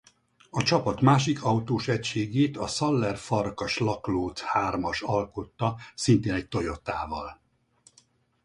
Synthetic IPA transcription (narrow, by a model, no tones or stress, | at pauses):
ɒt͡ʃɒpɒt̪maːʃikʰɒut̪oːʃɛcʃeːɡeːt̪ɒsɒlːɛrfɒrkɒʃlɒkloːt̪haːrmɒʃɒlkot̪ːɒsint̪eːnɛc̚t̪o̞jo̞t̪a̰ːvɒl